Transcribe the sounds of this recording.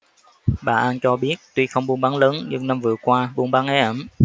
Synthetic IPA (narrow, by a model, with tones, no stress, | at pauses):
ɓa̰ː˨˩ʔa˧nt͡ɕɔ˧ɓi˦˥ət̚t̪wi˧xə˧wŋ͡mɓu˧nɓa˨˦nləː˨˦nɲɨ˧ŋna˧mvɨ˨˩əkwaː˧ɓu˧ənɓa˨˦nʔɛ˨˦ʔə˧˩m